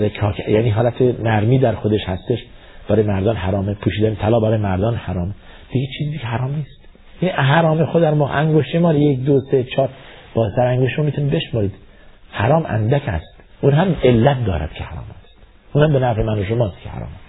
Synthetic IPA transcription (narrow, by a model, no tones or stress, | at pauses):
jkʰɒːkʰæjæ̰niːɦɒːlæt̪ʰenæɾmiːd̪æɾxod̪eʃhæst̪eʃ | b̥æɾɒːjemæɾd̪ɒːnhæɾɒːmepʰuːʃiːd̪ænet̪ʰælɒːbæɾɒːjemæɾd̪ɒːnhæɾɒːme | d̪̥iɡet͡ʃʰiːziːd̪ikʰeɦæɾɒːmniːst̪ | jæniɦæɾɒːmexod̪æɾmɒːʔæŋɡoʃt̪emɒːɾjekd̪oset͡ʃʰɒːɾb̥ɒːzt̪æɾæŋɡoʃt̪ːmɒːmit̪unid̪̚beʃmɒːɾiːd̪̥ | hæɾɒːmʔæ̰nd̪æcʰæ̰st̪ | ʔuːnɦæmelːæt̪̚d̪ɒ̰ːɾæ̰d̪̥cʰehæ̰ɾɒ̰ːmæst̪ | ʔuːnhæmbenæɾfemænoʃomɒːst̪kʰehæ̰ɾɒ̰ːmæs